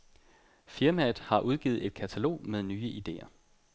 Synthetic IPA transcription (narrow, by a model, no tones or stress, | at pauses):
fiɐmæð̩ˠhɑ̈ʔuð̞ˠɡ̥ḭːð̩ˠe̝d̥̚kʰæt͡sʰælo̝̰ːmeðˠnyːəʔid̥e̝̰ːɐ